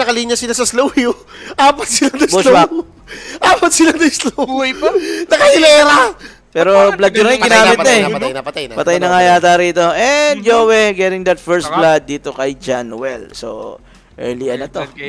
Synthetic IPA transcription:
nɐkɐliɲjɐsɪlasɐslowio | ʔaːpɐt̪̚sɪlad̪ɐblo | ʔaːpɐt̪̚sɪlad̪ɐslojnɐkɐhɪlɛːɾɐ | pɛɾoblad̪̚kɐnɐjŋɡɪnaːmɪt̪ɐɛjɐt̪ajpɐt̪ɐjnɐŋajaːt̪aɾiːt̪o̞ʔɛnd̪̚d͡ʒoːwɛɡɛɾɪŋd̪ɐt̪̚fɛɹst̪̚blad̪̚ːiːt̪okɐjd͡ʒanwɛlso̰ | ʔɛ̰ɹliʔɐnɐt̪o

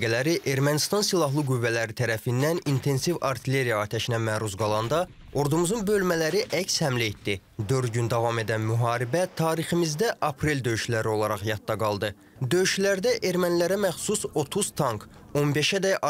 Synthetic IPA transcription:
ɡælæɾiʔe̞ɾmænist̪ɑnsilˠɑɦlˠɯɡuvːælæɾit̪ʰæɾæfind̪ænint̪ʰe̞nsivɑɾt̪ʰile̞ɾijɑːt̪ʰæʃinæmæːɾuzɡɑlˠɑnd̪ɑ | o̞ɾd̪umuzunbø̞lmælæɾiʔæcshæmliet̪d̪i | d̪øɾd̪ɟynd̪ɑvɑme̞d̪ænmyɦɑːɾibæt̪ʰɑːɾiχimizd̪æʔɑpʰɾe̞lʲd̪ø̞jyʃlæɾio̞lˠɑɾɑχjɑt̪̚ːɑɡɑlˠd̪ɯ | d̪ø̞jyʃlæɾd̪æʔe̞ɾmænlæɾæmæχsuso̞t̪ʰuz̥t̪ʰɑŋk | o̞nbe̞ʃæd̪æ

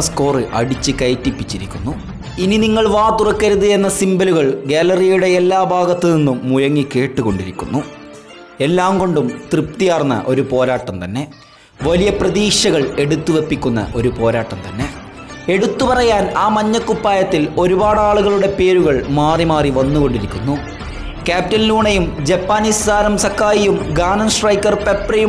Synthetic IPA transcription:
sko̞ːrɨʔɐɽit͡ɕːɨkɐjtːipːit͡ɕːiɾikʲːunːu | ininiŋːɐɭʋaːt̪urɐkːɐɾuðɨe̞nːɐsimbɐluɣɐɭɡalɐrijuɽe̞elːaːbʱaːɡɐt̪ːeninːumːujɐŋːike̞ːʈːuɣo̞ɳɖiɾikʲːunːu | e̞lːaːŋɡo̞ɳɖumt̪rip̚t̪ijaːrnːɐ̰ʔo̞ɾupo̞ːɾaːʈːɐmt̪ɐnːe̞ | ʋɐlijɐprɐðiːʂɐɣɐɭe̞ɽut̪ːuʋe̞pːikʲːunːɐ̰ʔo̞ɾupo̞ːɾaːʈːɐmt̪ɐnːe̞ | e̞ɽut̪ːupɐrɐjaːnaːmɐɲːɐkːupːaːjɐt̪ːilo̞ɾubaːɽaːɭuɣɐɭuɽe̞pe̞ːɾuɣɐɭmaːrimaːriʋɐnːuɣo̞ɳɖiɾikʲːunːu | kaːptːɐlːuːɳɐjumd͡ʑepːaːniːssaːɾɐmsɐkʰːaːjijumɡaːnɐnʂrɐjkːɐrpe̞prɐju

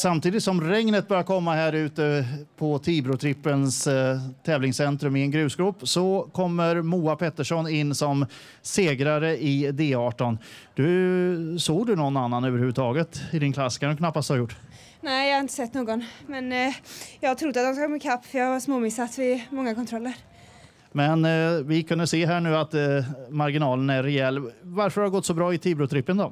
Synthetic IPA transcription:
samt̪ʰiːd̪ɪt̪sɔmɾɛŋnət̪̚bœɾjakʰɔmːahæːɾʉ̟ːt̪əpʰɔt̪ʰiːbɾʊt̪ʰɾɪpːənst̪ʰɛːvlɪŋsɛnt̪ɾɵmɪɛnɡɾʉ̟ːsɡɾɵpːsɔkʰɔmːəɾmuːapʰɛt̪ːəʂɔnɪnːsɔm | seːɡɾaɾəʔɪd̪eːɑːʈɔnd̪̥ɵ | soːɡd̪ɵnɔnːanːanøːvəɾhʉvːʉət̪ʰɑːɡət̪ɪd̪ɪnkʰlasːkʰand̪ɵkʰnapːast̪haɾjʊʈː | nɛːjɑːhaɾɪnt̪ə̥sɛt̪ːnoːɡɔnmɛnjɑːɡɡ̚t̪ʰɾʊd̪ːat̪d̪ɔmskakʰomːɪkʰapːfjɑasmoːmɪsːat̪vɪmɔŋːakʰɔnt̪ʰɾɔlːəɾ | mɛnvɪkʰɵnd̪əseːɦæːɳʉ̟ːat̪maɾɡɪnɑːlənæːɛɛlːvaɾfəɾhaɾɡɔt̪ːsɔbɾɑːɪt̪ʰiːbɾʊt̪ʰɾɪpːənd̪ɔ

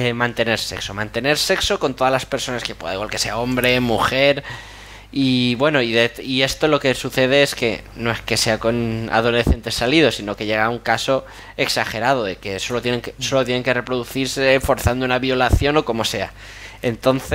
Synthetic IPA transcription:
emãnt̪e̞ne̞ɾse̞̰kso̞mãnt̪e̞ne̞ɾse̞kso̞ko̞nt̪o̞ðalaspe̞ɾso̞naske̞pwe̞ðaiɣwalke̞se̞ao̞mbɾe̞muxe̞ɾ | iβwe̞no̞iðeie̞st̪o̞lo̞ke̞suθe̞ð̞e̞eske̞ | no̞e̞ske̞se̞ako̞na̰ð̞o̞le̞θe̞nt̪e̞saliðo̞sino̞ke̞ʝe̞ɣauŋkaso̞ | e̞ksaxe̞ɾað̞o̞ðe̞ke̞so̞lot̪jeneŋkeso̞lo̞t̪jene̞ŋke̞re̞pɾo̞ðuθiɾsefo̞ɾθand̪ounaβjo̞laθjo̞no̞ko̞mo̞se̞a̰ | e̞nt̪o̞nθe

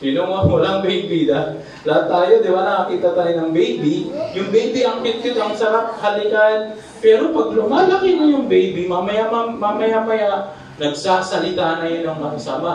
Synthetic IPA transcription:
sɪnoŋawɐlaŋbejbid̪a | lɐat̪ːaːjod̪ɪbanɐkɐkiːt̪ɐt̪alɪnɐŋbejbijʊŋbɛjbiʔɐŋpɪt̪̚kɪt̪ʔɐŋsɐɾaʔ̚halɪkaɪn | pɛːɾo̞pɐɡ̚lʊmaːlɐkɪnojʊŋbejbimamɐjamamaːmɐjamɐjaʔ | nɐɡ̚saːsɐlɪt̪anɐjonɐŋnɐkɐsama

